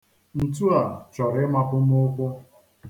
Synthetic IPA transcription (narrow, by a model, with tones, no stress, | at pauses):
n̩˨tu˦a˨t͡ʃɔ˨ɾɪ˦ma˦pʊ˦m̩˦ʊ˦kʷʊ˦